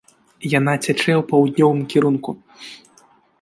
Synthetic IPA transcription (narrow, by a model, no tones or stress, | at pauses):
janat͡sʲat͡ʂɛjɛwpɐwd̪nʲɔvɨmkʲiɾunku